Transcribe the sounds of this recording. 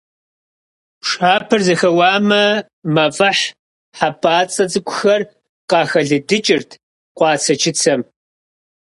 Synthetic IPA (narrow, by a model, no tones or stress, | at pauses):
ʂaːpʰɨrzɐxɐwɑːmɐ | mɐfʼɐħ | ħapʼaːt͡sʼɐt͡sʼɨkʷʰʼʊxɐr | qɑːxɐɮɨdɨt͡ʃʼɪrtʰ | qʷɑːt͡sʰɐt͡ʃʰɪt͡sʰɐm